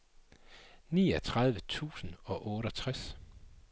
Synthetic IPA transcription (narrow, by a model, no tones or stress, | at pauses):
niːɒt͡sʰʁɑ̈ð̞ˠʋət͡sʰṵːsn̩ɒ̽ʔɔːɾ̥əɒt͡sʰʁas